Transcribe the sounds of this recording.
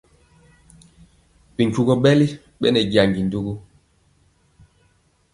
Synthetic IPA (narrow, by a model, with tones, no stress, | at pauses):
bi˨ŋ˨ku˨ɡɔ˦ɓɛ˦li˦ | ɓɛ̰˦nɛ˨ɡa˨ŋɡi˨n˨du˦ɡu˦